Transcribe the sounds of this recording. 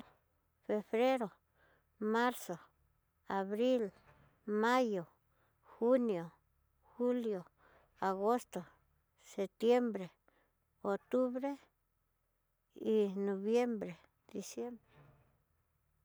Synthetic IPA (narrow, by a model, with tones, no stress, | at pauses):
fe˨βɾe˦ɾo˨ | ma˦ɾso˨ | a˨βɾi˦l | ma˦jo˨ | xu˦njo˨ | xu˦ljo˨ | a˨ɣo˦st̪o˨ | se˨t̪je˦mbɾe˨ | o˨t̪u˦βɾe˦ | i˨no˨βje˦mbɾe˨ | d̪̥i˨sje˦mbɾe˨